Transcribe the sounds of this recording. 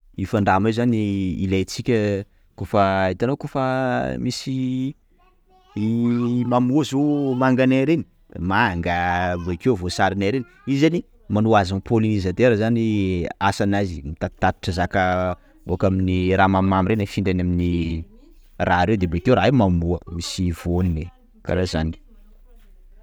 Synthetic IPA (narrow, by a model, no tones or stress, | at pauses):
ifaɳɖ͡ʐamezaniḭlejt͡sikʲə | kofəit̪anokofəmisi | imamuzomaŋɡanaɾeni̥ | maŋɡəvoikewvosaɾinaɾeniizani | manuazanpolinizat̪eɾəzaniasanazimit̪at̪ːat̪i̥ʈ͡ʂəzakə | bokaminiɾamammamiɾenafiɳɖ͡ʐanamini | raaɾewd̪ebet̪ewɾaemamuəmisivonine | ka̰ɾazani̥